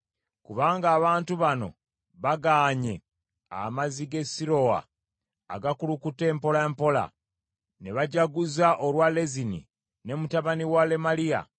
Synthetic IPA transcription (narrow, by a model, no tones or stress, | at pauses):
kuβaːŋɡaːβaːntuβano̞̰ | βaɡaːɲe̞ | a̰maziɡe̞siɾo̞a̰ː | ɡakulukute̞ːmpo̞laempo̞la̰ | ne̞βaɟaɡuzaʔolwale̞zinḭ | ne̞mutaβaniwale̞malija̰